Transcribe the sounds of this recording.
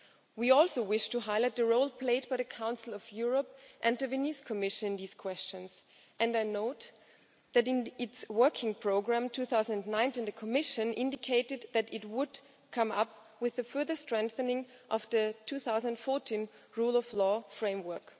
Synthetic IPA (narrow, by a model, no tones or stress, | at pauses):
wiɔlˠsoʊwɪʃtɨɦaɪlaɪt̪̚ðɨɹoʊlˠpʰl̥eɪd̚b̥aɪðɨkʰãʊ̃nsl̩ˠʌvjʊɹəp̚ʔɨ̃nðɨvɪniskʰəmɪʃɨ̃nɨ̃nðiːz̥kʰw̥ɛst͡ʃɨ̃nz̥ | ʔɨ̃ndaɪnoʊt̪ | ðɨɾɪ̃nɪtswɜ˞kʰɪ̃ŋpʰɹ̥oʊɡɹæ̃mtʰʉθaʊz̃nnnãɪ̃ntɨ̃nðɨkʰəmɪʃɨ̃nʔɪ̃ndɨkʰeɪɾɨd̪ðɨɾɨt̚wʊd | kʰʌ̃mʌp | wɨðɨfɜ˞ðə˞stɹ̥ɛ̃ŋk̚θənɪ̃ŋ | ʔʌvðɨtʰuθaʊzə̃nnfɔɹtʰĩn | ɹulˠʌvlɔfɹẽɪ̃mwɜ˞k